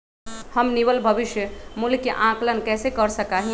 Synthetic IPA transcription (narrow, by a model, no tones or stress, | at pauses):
həmniʋəlbʱəbɪʃjəmulkeʔãklənkɛːsekəɾsəkaɦĩ